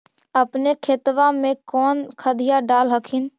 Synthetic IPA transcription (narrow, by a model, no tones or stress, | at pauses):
əpnekʰet̪ʋamẽkɔːnkʰəd̪ijaɖaːlɦəkʰɪn